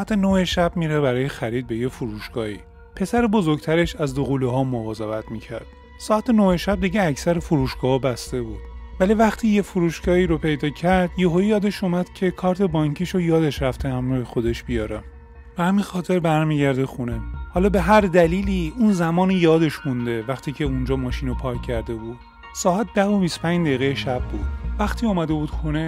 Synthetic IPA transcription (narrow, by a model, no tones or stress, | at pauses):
æt̪ʰenoheʃæbmiːɾebæɾɒːjexæɾiːd̪̚be̞jefuɾuːʃɡ̥ɒːhḭː | pʰe̞sæɾebo̞zoɾɡt̪ʰæɾe̞ʃæzd̪oɣuleɦɒːmovɒːze̞væt̪ʰmiːcʰæ̰ɾd̪̥ | sɒːæt̪ʰenoheʃæb̚d̪iɟeæcʰsæɾefuɾuːʃɡ̥ɒːhɒbæst̪e̞buːd̪̥vælivæχt̪ʰiːjefuɾuːʃɡɒːiːɾopʰe̞jd̪ɒːcʰæɾd̪jeɦojijɒːd̪e̞ʃumæd̪̥cʰe̞kʰɒːɾt̪ʰe̞bɒːɲcʰiːʃojɒːd̪e̞ʃɾæft̪ʰehæmɾɒohexo̞d̪e̞ʃb̥ijɒːɾe | b̥ehæminxɒːt̪ʰe̞ɾbæɾmiːɟæɾd̪exunehɒːlɒːbe̞ɦæɾd̪æliːliːunzæmɒːnijɒːd̪e̞ʃxund̪e̞væxt̪ʰiːcʰe̞und͡ʒɒːmɒːʃiːnopʰɒːcːʰæɾd̪e̞buːd̪̥̚ | sɒːæt̪̚d̪̥æɦo̞biso̥pʰæ̃ɲd͡ʒd̪eiɣejeʃæbːuːd̪̥̚væxt̪ʰiːɔːmæd̪e̞buːd̪xune̞